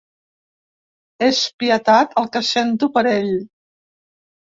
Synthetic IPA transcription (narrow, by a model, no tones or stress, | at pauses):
espiət̪at̪ʰəlˠkəsent̪upəɾeʎ